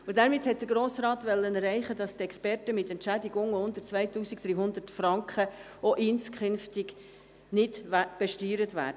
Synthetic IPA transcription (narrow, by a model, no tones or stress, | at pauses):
ʊdæɾmɪthɛt̚d̥̪əɡɾoːsɾɑːt̪ʋɛlːənəɾɛɪχədɑst̪ɛkspɛrtəmɪtɛntt͡ʃædiɡʊŋʊndəɾt͡svʋæɪtuːsikd̥̪ɾiːɦʊnd̪ətfɾɑŋkχə | oʔɪnskχʏnftɪɡ | nɪdb̥ɛʃtyːɾətʋæ̰ːd̥ə